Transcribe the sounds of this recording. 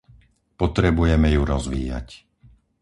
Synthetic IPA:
pɔt̪ɾɛbujɛmɛjuɾɔzʋḭːja̰c

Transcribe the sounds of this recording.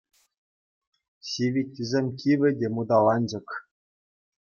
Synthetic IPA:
ɕiʋʲitʲːizʲemʲkʲiʋʲɘ̆dʲemud̪ɑlˠɑnʲd͡ʑɤ̆k

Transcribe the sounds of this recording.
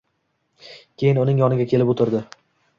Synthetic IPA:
kʲʰe̞jɪnʊnɪŋjɒnɪɡʲakʲʰelɪpot̪ʰɪɾd̪ɪ

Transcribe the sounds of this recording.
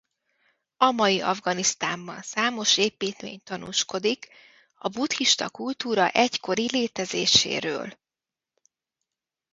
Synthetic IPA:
ɒmɒjiʔɒvɡɒnist̪aːmbɒ̰nsaːmo̞ʃeːpiːt̪mḛːɲt̪ɒnṵːʃko̞d̪ik | ɒbut̪hiʃt̪ɒkult̪uːɾɒ̰ʔɛcko̞ɾileːt̪ɛzeːʃḛːɾø̰ːl

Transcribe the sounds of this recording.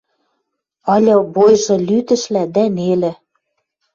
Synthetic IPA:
ɑlʲɤ̆bojʒɤ̆lyt̪ɘ̆ʃlæd̪ænelɘ̆

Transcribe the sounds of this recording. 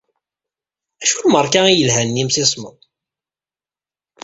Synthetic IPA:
æʃulməɾˤkæijəlɦænːimsisˤmə̰ðˤ

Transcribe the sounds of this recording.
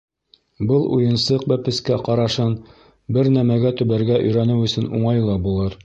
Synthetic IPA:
bɤlˠṵjɤ̆nsɤq̚bæpɘ̆skæqɑɾɑʃɤn | bɘɾnæmæɡæt̪ɵ̆βæɾɡæʔɵ̆jɾænɘwɵ̆sɵɘnuɴɑjlˠɑbulˠɤɾ

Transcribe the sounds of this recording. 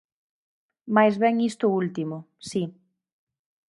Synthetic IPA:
majzβɛŋist̪ʊult̪imʊ | si

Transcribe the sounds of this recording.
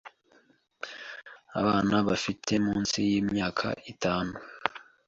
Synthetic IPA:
a̰βaːnaβafitʰe̞muːnsijiːmɲaːkʰa̰ʔitaːnu

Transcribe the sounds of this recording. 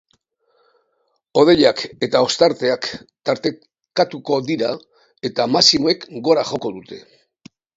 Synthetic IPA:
o̞ð̞e̞ʎake̞t̪ao̞st̪aɾt̪e̞akt̪aɾt̪e̞ | kat̪uko̞ðiɾa | e̞t̪amasimo̞e̞kɡo̞ɾaʝo̞ko̞ðut̪e̞

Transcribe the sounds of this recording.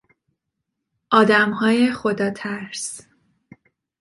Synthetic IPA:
ʔɒːd̪æmɦɒːjexo̞d̪ɒːt̪ʰæɾs

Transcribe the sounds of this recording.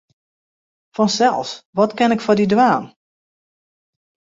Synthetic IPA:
fɔnsɛ̰lˠsʋɔtkɛnɪkfɔdidwaːn

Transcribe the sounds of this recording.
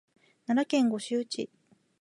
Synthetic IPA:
naɾakẽ̞ŋɡo̞ɕɨːt͡ɕḭ

